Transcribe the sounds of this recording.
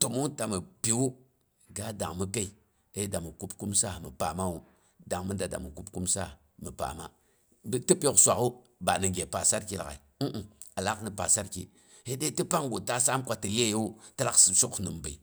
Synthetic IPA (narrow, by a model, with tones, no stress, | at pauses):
to˨mu˦ta˨mə˨pi˨wu˦ | ɡa˦da̰˨ŋmə˦ka˦i˨ | e˦da˨mə˨ku˦pku˦msa˦˨mə̰˨pa˨ma˦wu˦ | da˨ŋmə˦da˨da̰˨mu˨ku˦p̚ku˦msa˦˨ | mə˨pa̰˨ma˦ | btə˦pʲo˦ksʷa˨ku˦ | ba˨ni˨ɡʲe˨pa˨sa˦ɾki˦˨la̰˨i˨˦ʔ̩˨a˨la˦kni˨pa˨sa˦ɾkḭ˨ | he˦de˦ti˦pa˦ŋɡu˨ta˦sa˦mkʷa˦tə˨le˦ju˦ta˦la˦kssu˦knɨ˨mbə˨